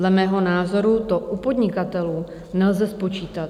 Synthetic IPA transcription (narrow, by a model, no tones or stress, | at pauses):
lɛmɛːɦo̞naːzo̞ɾut̪o̞ʔupo̞dɲɪkat̪ɛluː | nɛlzɛspo̞t͡ʃiːt̪at̪